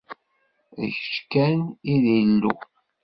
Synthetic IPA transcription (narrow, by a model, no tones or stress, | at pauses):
ðə̰çʃkæniðilːṵ